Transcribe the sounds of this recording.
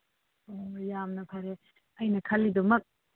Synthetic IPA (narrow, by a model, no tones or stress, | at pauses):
ojamnɐpʰaɾe | ɐjnɐkʰɐlːidumɐk̚